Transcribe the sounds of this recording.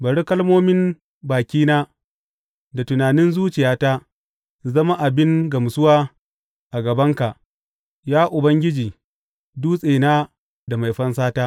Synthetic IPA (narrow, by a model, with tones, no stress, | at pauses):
bɐ˨ɽi˦kɐ˦lmoː˦mɪ˦n | baː˨kʲiː˦naː˦ | da˨tʊ˨naː˨nɪ˦nzuː˦t͡ʃɪ˨jaː˦ta˦ | zɐ˦ma˦ʔa˨bɪ˦ŋɡɐ˨msʊ˦waː˦ | ʔa˨ɡɐ˨bɐ˦ŋka˨ʔ | jaː˦ʔʊ˨bɐ˦ŋɡʲɪ˦d͡ʒiː˨ | duː˦sʼeː˨naː˦ | da˨ma˨jɸɐ˦nsaː˦taː˦ʔ